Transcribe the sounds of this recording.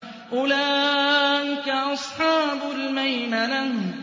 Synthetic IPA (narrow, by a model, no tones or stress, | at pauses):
ʔʊlaː | ʔɪkaʔɑsˤħɑːbʊlmajmalan